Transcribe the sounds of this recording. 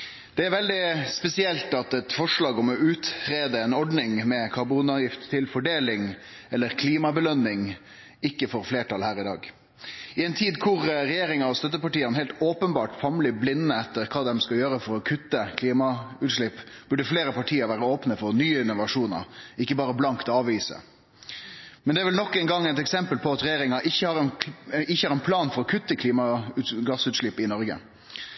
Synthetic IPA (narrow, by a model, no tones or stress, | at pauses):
d̪̥ɛæɾʋɛld̪ɪspɛsɪɛlt̪ɑt̪ɛt̪fɔʂɭɑːɡɔmɔʉːt̪ɾeːd̪əɛnɔɖnɪŋmɛkʰɑɾbuːnɑʋjɪft̪ʰːɪlfɔɖeːlɪŋ | ɛlːəɾkʰliːmɑbəlœnːɪŋ | ɪkːəfɔɾfleːʈɑlhæːɾɪd̪ɑ̰ːɡ | ɪɛnt̪ʰiːd̪kʰʊɾɾɛjeːɾɪŋɑɔst̪œt̪ːəpɑʈiːɑnəhɛlt̪oːpənbɑːʈfɑmlɪblɪnːəɛt̪ːəɾkʰɑːd̪ɛmskɑljøːɾəfɔɾɔkʰʉt̪ːəkʰliːmɑʉːt̪ʂlɭɪpː | b̥ʉɖəfleːɾəpɑʈʰiːəɾʋæːɾəoːpnəfɔɾnyːəɪnːʊʋɑʂuːnə̰ɾɪkːəbɑːɾəblɑŋkt̪ɑːʋiːsə̰ | mɛnd̪ɛæːʋɪlnɔkːɛnɡɑŋːɛɪt̪ɛksɛmpəlpʰɔɑt̪ɾɛjeːɾɪŋɑʔɪçːəhɑɾnɪçːəhɑɾɛnpʰlɑːnfɔɾɔkʰʉt̪ːəkʰliːmɑʉɡɑsʉːt̪ʂɭɪpːɪnɔɾɡə̰